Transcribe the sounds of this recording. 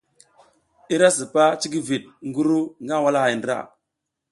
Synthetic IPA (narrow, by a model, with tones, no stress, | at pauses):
i˦ɾa˦s̬i˨pa˦t͡ʃi˦ɡi˦vi˨t̚ŋɡu˦ɾu˦ŋɡa˦˨wa˦la˦ha˨jndɾa̰˦˨